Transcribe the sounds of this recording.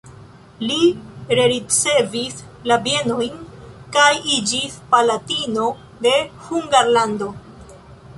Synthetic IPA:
liɾeɾit͡se̞vis | labje̞no̞jnkajid͡ʒispalatino̞ | de̞huŋɡaɾlando̞

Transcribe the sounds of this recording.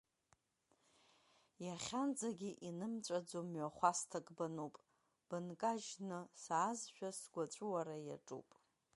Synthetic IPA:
jaχʲand͡zaɡʲiʔinɨmt͡ɕʷʼad͡zomɥaχʷastʰakʼbanupʼ | b̥ɨnkʼaʒnɨsaːzʃᶣasɡʷat͡ʃʷʼuwaɾaja̰ʈ͡ʂʼṵpʼ

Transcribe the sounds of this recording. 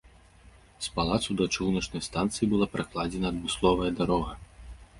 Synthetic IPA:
spalˠat̪sud̪ɐt͡ʂuwnɐt͡ʂnɐjst̪ant̪sɨjibɨlˠapɾʔaklˠad͡zʲɛnɐːd̪mɨslˠɔvɐjɐd̪aɾɔɣɐ

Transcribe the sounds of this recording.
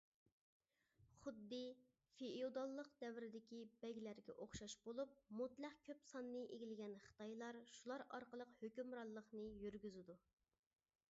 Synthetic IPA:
χʊd̪ːɨ | feiod̪ɑlˠːəqd̪ɛwɪɾɪd̪ɪkʲibɛɡʲilæɾɡʲɛ̰ʔoχʃɑʃbolˠup̚mut̪lˠæχkʲʰøpsɑnːɨʔeɡʲilɪɡʲɛnχə̥t̪ɑjlˠɑɾʃulˠɑɾɑɾqəlˠəqhøkʲymɾɑlˠːəχnɨjyɾɡʲyzɪd̪u

